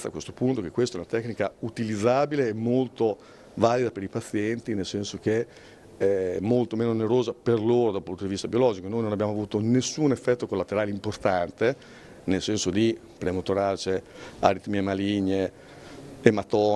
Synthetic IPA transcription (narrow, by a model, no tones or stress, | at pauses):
a̰kwest̪o̥punt̪okekːwest̪aɛunat̪ɛkːnikaut̪ilid̪zːaːbileːmːolt̪o | valid̪apeɾipat̪sːjɛnt̪inelsɛnsok̟e | ɛmːolt̪omeːnoneɾoːzaperloːɾod̪apunt̪od̪ivist̪abiolɔːd͡ʒikonojnonabjaːmoavuːt̪onesːunefːɛt̪ːokolːat̪eɾaːleimport̪ant̪e | nelsɛnsod̪i | pɾemot̪oɾaːt͡ʃea̰ɾit̪miemaliɲːeː | mat̪ɔː